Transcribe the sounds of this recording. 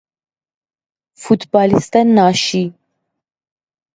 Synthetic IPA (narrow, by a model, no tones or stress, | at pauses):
fut̪bɑːlist̪anːɑːʃi